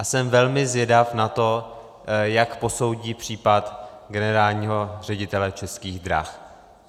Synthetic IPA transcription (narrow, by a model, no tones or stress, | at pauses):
ʔasɛmvɛlmɪzjɛdafnat̪o̞ | jakpo̞so̞wɟiːpr̝̥iːpat̪ | ɡɛnɛɾaːlɲiːɦo̞r̝ɛɟɪt̪ɛlɛt͡ʃɛskiːɣd̪ɾa̰x